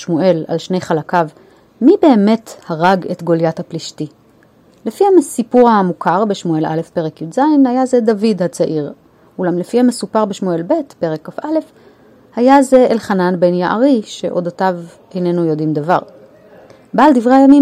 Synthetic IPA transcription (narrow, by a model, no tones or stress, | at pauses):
ʃmuʔe̞la̰lʃne̞jχalakav | mibe̞ːme̞thaʁaɡe̞tɡo̞ljathapliʃti | lefihamesipuʁamukʰaʁbeʃmue̞lʔa̰le̞fpe̞ʁekjuzajnhajaze̞davidhat͡saʔiʁ | ulamlefihamesupaʁbeʃmue̞lbe̞tpe̞ʁe̞kːafale̞f | hajaze̞elχananbe̞njaʔa̰ʁiʃe̞ʔo̞dotav | ejne̞nujo̞dimd̪ava̰ʁ | baːldivʁeajami